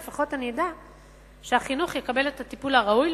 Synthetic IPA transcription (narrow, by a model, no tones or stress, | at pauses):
faχo̞tanida | ʃeaχinuχjekabe̞le̞tatipulaʁaujl